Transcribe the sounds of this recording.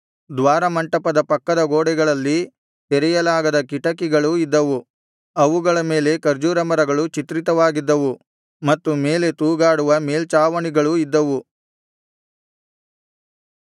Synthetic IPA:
d̪ʋaːɾɐmɐɳʈɐpɐd̪ɐpɐkːɐd̪ɐɡoːɽɛɡɐɭɐlːi | t̪ɛɾɛjɐlaːɡɐd̪ɐkiʈɐkiɡɐɭuid̪ːɐʋu | ɐʋuɡɐɭɐme̞ːle̞kɐɾd͡ʒuːɾɐmɐɾɐɡɐɭut͡ʃit̪ɾit̪ɐʋaːɡid̪ːɐʋu | mɐt̪ːume̞ːle̞t̪uːɡaːɽuʋɐme̞ːlt͡ʃaːʋɐɳiɡɐɭuid̪ːɐʋu

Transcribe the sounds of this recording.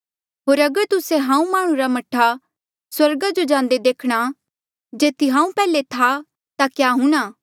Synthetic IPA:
ɦoːɾɐɡəɾt̪ʊseɦãːũmaːɽ̃ũɾamɐʈʰːa | swɐɾɡad͡ʒod͡ʒãːn̆d̪ed̪eːkʰɽ̃a | d͡ʒeːt̪iɦãːũpɛːlet̪ʰa | t̪akjaːɦũːɽ̃aː

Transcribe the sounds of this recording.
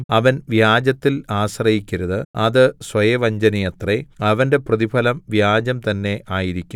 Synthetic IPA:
ɐʋɐnʋjaːd͡ʑɐt̪ːilaːɕrɐjikʲːiɾɐðɨɐðɨsʋɐjɐʋɐɲd͡ʑɐnijɐt̪reɐʋɐnde̞prɐðipʰɐlɐmʋjaːd͡ʑɐmt̪ɐnːe̞ʔaːjiɾikʲːum

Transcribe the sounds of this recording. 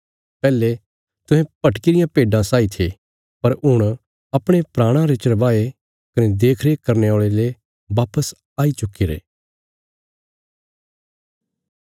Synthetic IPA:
pɛːle | t̪ʊ̃ɦɛ̃pɐʈkɪɾɪjãpeːɖãsaːit̪ʰeː | pɐɾʊɽ̃ | ɐpɽ̃epɾaːɽ̃ãɾet͡ʃɐɾbaːe | kɐned̪eːkʰɾekɐɾneoːɭele | ʋaːpəs | aːit͡ʃʊkːiɾḛː

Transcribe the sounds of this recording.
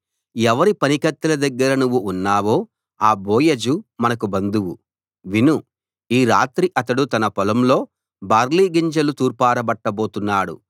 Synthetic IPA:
ɛʋɐɾipɐnikɐt̪ːɐlɐd̪ɐɡːɐɾɐnuʋːuːnːaːʋo̞ː | aːboːjɐd͡ʒumɐnɐkubɐnd̪uwu | ʋinu | iːɾaːt̪ɾiʔɐt̪ɐɽut̪ɐnɐpɔlɐmlo̞ː | baːɾliːɡiɲd͡ʒɐlut̪uːɾpaːɾɐbɐʈːɐbo̞ːt̪unːaːɽṵ

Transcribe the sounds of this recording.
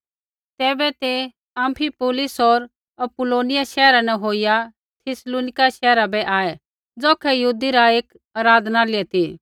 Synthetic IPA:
t̪ɛːbɛt̪e | ɐ̃mpʰipoːlɪsɔɾ | ɐpʊloːnɪjaʃɛːɾanɛɦoːɪja | t̪ʰɪsloːnɪkaʃɛːɾabɛʔaːɛ | d͡zɔːkʰɛjɐɦuːd̪iɾaeːk | aːɾaːd̪ʱnalɪɛt̪ʰi

